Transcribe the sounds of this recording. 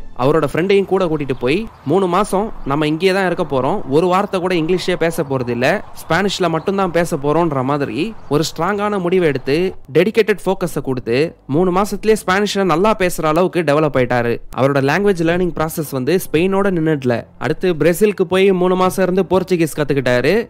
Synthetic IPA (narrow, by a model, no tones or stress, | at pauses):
ʔɐ̰ʋɐɾoːɽɐfɪɾɛɳɖɐjɯ̃ŋkuːɽɐkuːʈ̬ːɪʈːɯpoːjmuːɳɯmaːsɐ̃nɐmːɐɪŋɡejɐt̪ãːɪɾɯkːɐpːoːɾõɔɾɯʋaːɾt̪ːɐkuːɽɐɪŋɡlɪʂeːpeːsɐpːoːɾɐðɪlːɐspaːnɪʂɪlɐmɐʈːɯnt̪ãːpeːsɐpːoːɾõːɪnɾɐmaːðɪɾḭɔɾɯsʈɾaːŋɡaːnɐmʊɽɪʋɛɽɯt̪ːɯɖɛɽɪkːeːʈːɛɖfoːkɐsɐkʊɽɯt̪ːɯ | muːɳɯmaːsɐt̪ːɪleːspaːnɪʂɪlɐnɐlːaːpeːsɐɾɐːɭɐʋɯkːɯɖɛʋɛlɐpːɐɪʈːaːɾɯʔɐ̰ʋɐɾɯːɽɐlaːŋɡʋed͡ʒlɐɾnɪ̃ŋɡ̚pɾaːsɛsʋɐnd̪ɯspɛɪnoːɽɐnɪnːɐɽɪlɐ̰ʔɐ̰ɽɯt̪ːɯbɪɾɛsɪlkɯpoːjmuːɳɯmaːsɐ̃ɪɾɯnd̪ɯpoːɾt͡ʃːɯɡɪskat̪ːɯkːɪʈːaːɾɯ